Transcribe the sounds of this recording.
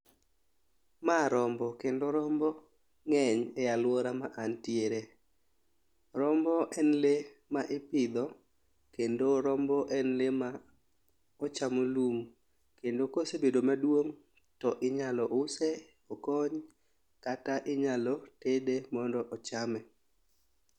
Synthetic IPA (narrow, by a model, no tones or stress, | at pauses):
maɾɔmbɔkendoɾɔmbɔ | ŋɛɲɛalwɔɾamaʔantjeɾe | ɾɔmbɔʔɛnlemaʔɪpɪd̪ɔ | kendoɾɔmbɔʔɛnlema | ɔt͡ʃamolum | kendokosebedomadwoŋ | tɔʔɪɲalɔʔʊsɛ | ɔkɔɲ | kataʔɪɲalɔtedemɔndɔʔɔt͡ʃamɛ